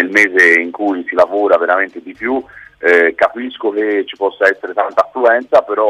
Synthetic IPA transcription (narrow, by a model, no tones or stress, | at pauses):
elmɛːzeiŋkujsilavoːɾaveɾament̪ed̪ipju | kapiskok̟et͡ʃːipɔsːaɛsːeɾet̪ant̪aːfːluɛnt̪sapeɾɔ